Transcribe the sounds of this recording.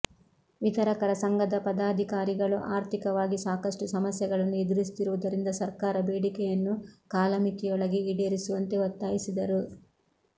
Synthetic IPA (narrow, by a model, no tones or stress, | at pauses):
ʋit̪ɐɾɐkɐɾɐsɐŋɡɐd̪ɐpɐd̪aːd̪ʱikaːɾiɡɐɭuʔaːɾt̪ʰikɐʋaːɡisaːkɐʂʈusɐmɐsjɐɡɐɭɐnːuid̪iɾist̪iɾuʋud̪ɐɾind̪ɐsɐɾkaːɾɐbeːɽikɛjɐnːukaːlɐmit̪ijɔɭɐɡeiɽeɾisuʋɐnt̪e̞ɔt̪ːaːjisid̪ɐɾu